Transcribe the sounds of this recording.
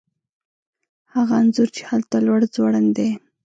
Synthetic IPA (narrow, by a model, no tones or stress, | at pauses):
haɣaːnzʊɾt͡ʃe̥halt̪alwaɽd͡zwaɽənd̪e